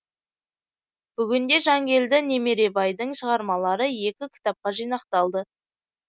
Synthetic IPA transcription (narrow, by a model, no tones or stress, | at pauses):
b̥ʏɡʲɪnd̪e̞ʒɑŋɡʲe̞ld̪ɪne̞me̞ɾe̞bɑjd̪əɴʃəʁɑɾmɑlˠɑɾəje̞kʲɪkʲʰɪ̥t̪ɑp̚qɑʒijnɑqt̪ɑlˠd̪ə